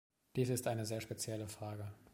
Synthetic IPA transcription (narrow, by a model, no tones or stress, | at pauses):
d̥iːsɪstʔaɪnəzeːɐʃpet͡sjɛləfʁ̥aːɡə